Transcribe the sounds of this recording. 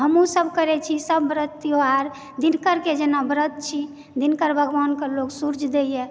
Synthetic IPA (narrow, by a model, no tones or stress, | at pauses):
ɦəmũsəbʱkəɾɛt͡ʃʰisəbːɾət̪ːioaɾ | d̪inkəɾked͡ʒenabɾət̪̚t͡ʃʰi | d̪inkəɾbʱəɡwankəɾloksuɾd͡ʒʱd̪ejɛ